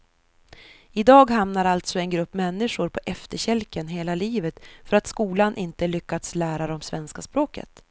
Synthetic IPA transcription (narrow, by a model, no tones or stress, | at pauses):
ɪd̪ɑːɡɦamnaɾalt̪sɔɛnɡɾɵpːmɛnːɪʂʊɾpʰɔʔɛft̪əɕɛlkənɦeːlaliːvət̪fœɾat̪skuːlanʔɪnt̪əlʏkːad̪slæːɾaɾɔmsvɛnskaspɾoːkə̰t̪